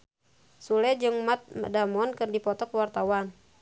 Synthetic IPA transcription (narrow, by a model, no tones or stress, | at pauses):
sulɛd͡ʒɨŋmat̪̚mə̰damɔnkɨrdipɔt̪ɔkwart̪awan